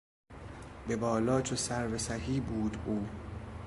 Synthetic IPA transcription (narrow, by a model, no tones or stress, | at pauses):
be̞bɒːlɒːt͡ʃʰosæɾvesæɦiːbuːd̪uː